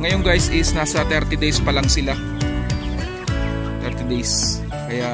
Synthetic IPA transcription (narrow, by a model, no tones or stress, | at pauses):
ŋɐjoŋɡajsɪsnaːsɐt̪ɛɾt̪ɪd̪ejspɐlaŋsɪla | t̪ɛɾt̪ɪd̪ejs | kɐja